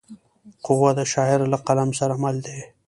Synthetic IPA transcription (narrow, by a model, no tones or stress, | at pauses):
qʊwad̪aʃɑːɪɾlaqalamsaɾamald̪e